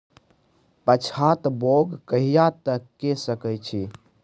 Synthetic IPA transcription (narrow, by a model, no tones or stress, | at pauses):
pət͡ʃʰat̪boɡkəɦijat̪əkːesəkəjt͡ʃʰi